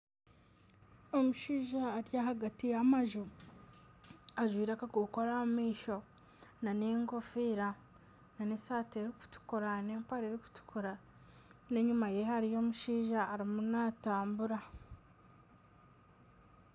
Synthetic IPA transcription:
o̞muʃiːʒaːɾjaɦaɡatijamaʒu | aʒwiːɾakakuko̞ɾamiːʃo̞ | nane̞ŋɡofiɾa | nanesaːteɾiku̥tu̥kuɾane̞ːmpaɾeɾiku̥tu̥kuɾa | ne̞ɲumaje̞haɾijo̞ːmuʃiːʒaːɾimunataːmbuɾa

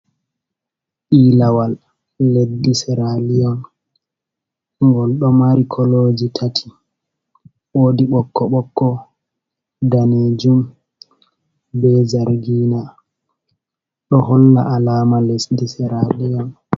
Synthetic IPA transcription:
ʔiːlawalː | edisɛɾalijɔn | ŋɡɔlɗɔmaɾikʰɔloːd͡ʒitʰatʰi̥ | woːdiɓɔkːɔɓɔkːɔ | daned͡ʒum | bɛzaɾɡiːna | ɗɔhɔlːa̰ʔalaːmalesdisɛɾalijɔn

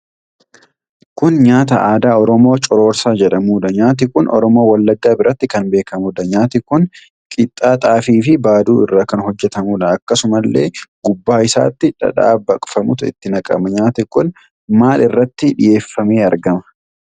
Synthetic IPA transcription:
kʊnɲaːt̪ɐʔaːd̪aːɔɾɔmo̞ːt͡ʃʼɔɾo̞ːɾsaːd͡ʒɛᶑɐmuːᶑ̪ɐɲaːt̪̬ɪkʊnʔɔ̰ɾɔmo̞ːwɐlːɐɡːaːbɪɾɐt̪ːɪkɐnbe̞ːkɐmʊd̪ɐɲaːt̪ɪkʊn | kʼɪt̪ʼːaːt̪ʼaːfiːfɪbaːd̪uːɪrːaːkɐnhɔd͡ʒːɛt̪ɐmuːᶑɐɐkːɐsʊmɐlːe̞̰ːɡ̥ʊbːaːɪsa̰ːt̪ːɪᶑɐ̰ᶑa̰ːbɐkʼfɐmʊt̪ʊɪ̰t̪ːɪnɐkʼɐ̰mɐɲaːt̪ɪkʊn | maːlʔɪrːɐt̪ːɪᶑɪje̞ːfːɐmeːɐɾɡɐmɐ̥

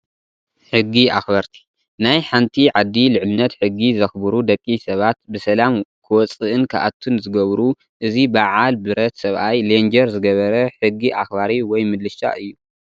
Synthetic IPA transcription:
ħɨɡiʔaxbɐɾt̪ʰi̥ | najħant̪ʰiʕad̪ːilɨʕlɨnːɐt̪ħɨɡːizɐxbɨɾud̪ɐkʼːisɐβat̪bɨsɐlamkʰɨwɔt͡sʼɨʔɨnkʰa̰ʔa̰t̪ʰːunzɨɡɐβɾu | ʔɨzibaʕalbɨɾɐt̪sɐβʔajlend͡ʒɐɾzɨɡɐβɐɾɐħɨɡːiʔaxbaɾiwɔjmɨd̪lɨʃa̰ʔɨjːu

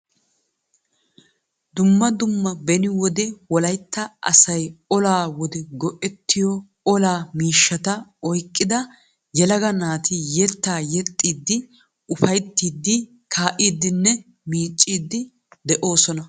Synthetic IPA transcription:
d̪ʊmːɐd̪ʊmːɐbɛnɪwɔd̪ɛwɔlɐjt̪ːɐʔɐ̰sɐjɔlaːwɔd̪ɛɡɔʔɛt̪ːɪjɔ | ɔlaːmiːʃːɐt̪ɐɔjkʼːɪd̪ɐ | jɛlɐɡɐnaːt̪ɪjɛt̪ːaːjɛt̪ʼːiːd̪ːɪ | ʊfɐjt̪ːiːd̪ːɪ | kʰaːʔiːd̪ːɪnːɛ | miːt͡ʃʼːiːd̪ːɪ | d̪ɛʔo̞ːsɔnɐ

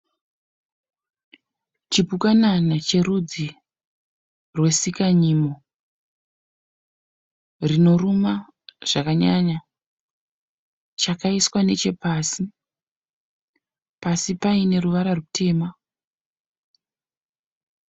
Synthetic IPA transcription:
t͡ʃipukananat͡ʃe̞rud͡zi | rwe̞sikaɲiːmo | rino̞ruma | ʐ̥akaɲaɲa | t͡ʃakaiswane̞t͡ʃe̞paːsi | pasipaine̞ɾuʋaɾarutʰe̞ːma

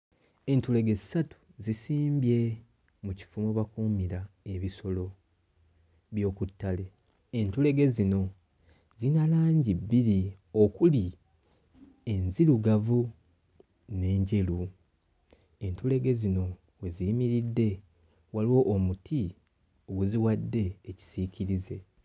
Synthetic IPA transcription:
e̞ntule̞ɡe̞zisatu̥zisiːmbje̞ | muci̥fumoβakuːmiɾae̞βiso̞lo̞ | βjo̞ːkutːale̞ | entule̞ɡe̞zino̞ | zinalaːɲɟibːiɾi | okuli | e̞nziɾuɡavu | ne̞ːɲɟe̞lu | e̞ntule̞ɡe̞zino̞ | we̞zimiɾidːe̞ | waliwo̞ʔːmutʰi | o̞ɡuziwadːe̞ːci̥sicʰiɾize̞

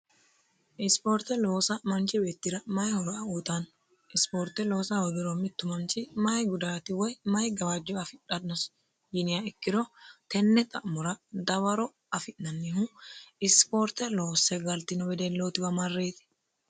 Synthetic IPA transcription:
ʔɪspoːɾt̪ɛloːsɐmɐnt͡ʃɪbeːt̪ːɪɾɐmɐjhɔɾɔɐuːt̪ɐn | ʔɪspoːɾt̪ɛloːsɐhɔd̪ɪɾɔmɪt̪ːʊmɐnt͡ʃɪmɐjɡʊd̪aːt̪ɪwɔjmɐjɡɐwaːd͡ʒɔɐfɪᶑɐnɔs | d͡ʒɪnɪjɐɛkːɪɾɔt̪ɛnːɛt̪ʼɐ̰ʔmʊɾɐd̪ɐwɐɾɔ | ɐfɪʔnɐnːɪhuɪspoːɾt̪ɛloːsːɛɡɐlt̪ɪnɔbɛd̪ɛlːoːt̪ɪbɐmɐrːeːt̪ɪ̥

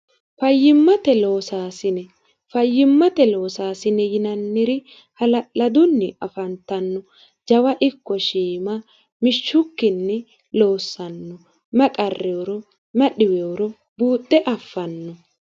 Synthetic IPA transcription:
fɐjːɪmːɐt̪ɛlo̞ːsaːsɪnɛ | fɐjːɪmːɐt̪ɛlo̞ːsaːsɪnɛjɪnɐnːɪɾɪ | hɐlɐd̪ʊnːɪɐfɐnt̪ːɐnːɔ | d͡ʒɐwɐʔɪkːɔʃiːmɐ | mɪʃːʊkːɪnːɛ | lo̞ːsːɐnːɔ | mɛkʼɐrːɛwɾɔ | mɛɗɪwɛwɔɾɔ | buːt̪ʼːɛʔɐfːɐnːɔ

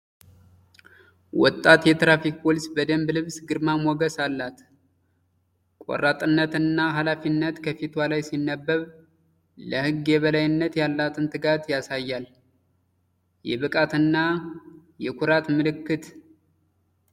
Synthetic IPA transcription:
wɔt̪ʼːat̪jɛt̪ɾafik̚pʰolisbəd̪əmblɨβsɡɨɾmamɔɡəsalːat̪ | kʼo̰rːat̪ʼɨnːət̪ɨnːaɦalafinːət̪kʰəfit̪ʰwalajsinːəbːəβ | ləhɨɡːjɛβəlajɨnːət̪jalːat̪ʰɨnt̪ʰɨɡat̪jasajːal | jɛβɨkʼat̪ɨnːa | jɛkʰuɾat̪mɨlɨkːɨt̪

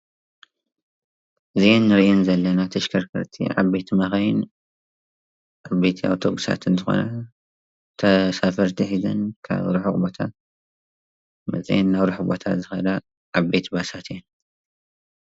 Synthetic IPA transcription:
ʔɨzijenːɨɾjɛnzɐlːɐnat̪ʰɐʃkʰɐɾkʰɨ̰ɾt̪ʰḭʕa̰βbe̞t̪ʰimɐxɐjɪn | ʔaβbe̞t̪ʰia̰wt̪ʰoɡʼusa̰t̪ʰɨnzɨxo̞̰nɐ | t̪ʰɐsafɐɾt̪ʰɨħizɐnkʰa̰βɾuħɨkʼbot̪ʰa̰ | mɐ̰t͡sʼḭjenːaβɾuħɨbot̪ʰa̰t̪zɨxɐd̪ɐ | ʔaβbe̞t̪basat̪jɛn

